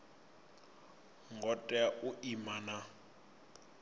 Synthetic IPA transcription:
ŋɡɔtʼɛaʔʊimana

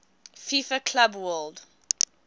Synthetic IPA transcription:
fifəkʰlabwɜld

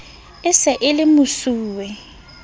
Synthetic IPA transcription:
ɪsɛʔɪlɪmʊsuːwɛ

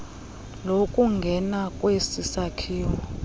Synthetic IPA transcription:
lokʼuŋɡʱɛnakʼwesisakʰiːwɔ

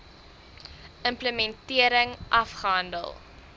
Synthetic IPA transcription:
əmpləmɛntiəɾəŋʔɐfχəɦɐndə̰lˠ

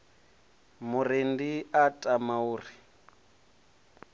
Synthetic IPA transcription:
mʊrendiatʼamauːri

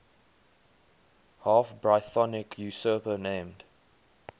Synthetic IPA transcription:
hɑːˑfbɹaɪθɔnɪkʰjusɜpənẽɪmd̥

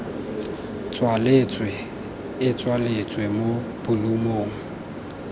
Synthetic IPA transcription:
t͡sʼwalet͡sʼwe | ɪt͡sʼwalet͡sʼwemo | b̥ʊlumoːŋ̩

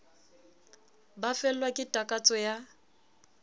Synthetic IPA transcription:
bafɛl̩lwakʼɪtʼakʼat͡sʼɔja

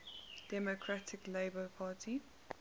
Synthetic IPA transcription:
d̥ɛmokʰɹatʰɪkleɪbəpʰaːtʰi

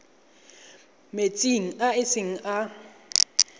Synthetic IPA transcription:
met͡sʼiŋ̩aɪsɪŋ̩ʔa

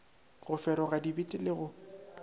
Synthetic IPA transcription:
ɣʊfɛɾɔɣadibitʼɪlɪɣʊ

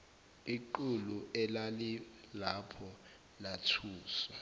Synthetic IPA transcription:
iǃuluʔɛlalilapʰɔ | latʰuːsa

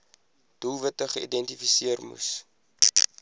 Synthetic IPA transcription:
d̥ulˠvətəχəḭdɛntifisiərmṵs

